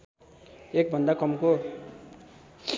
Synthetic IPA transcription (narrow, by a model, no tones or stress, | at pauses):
ek̚bʱʌnd̪akʌmko